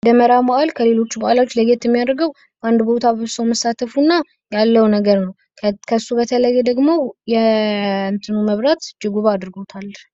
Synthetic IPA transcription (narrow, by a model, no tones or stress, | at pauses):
d̪əməɾabaʔalkʰəle̞lo̞t͡ʃːubaʔalawot͡ʃːləɡet̪jɛmːijad̪ɾɡəw | bʔand̪bot̪ʰaβɨβsəwməsːat̪ʰəfunːa | jalːəwnəɡəɾnəw | kʰəsːubət̪ʰələjːɛd̪əɡmo̞jɛɨnt̪ʰɨnuməβɾat̪d͡ʒɨɡuβad̪ɾɨɡo̞t̪ʰalː